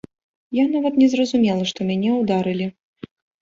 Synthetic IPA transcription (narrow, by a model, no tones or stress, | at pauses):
janavɐt̪nʲɛzrɐzumʲɛlˠɐʂt̪ɔmʲanʲɛwd̪aɾɨlʲi